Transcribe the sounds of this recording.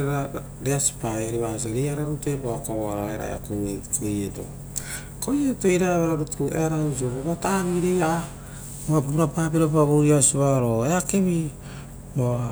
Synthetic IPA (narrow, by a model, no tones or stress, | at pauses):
ɾa | deasi̥paɾiβas̬aɾejaɾaɾutepoakaβoaɾaeɾa̰ḛa̰kuekojeto̰ | kojetoiɾaβaɾaɾutukuʔḛaɾaus̬iopoβataβiɾeja | oapuɾapaːpiɾopaβuɾuɾiasuβaɾoeakeβi | boa